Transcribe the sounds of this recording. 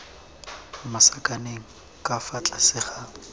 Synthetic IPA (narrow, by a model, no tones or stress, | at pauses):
masakʼaneŋ̩ | kʼafat͡ɬʼasɪχa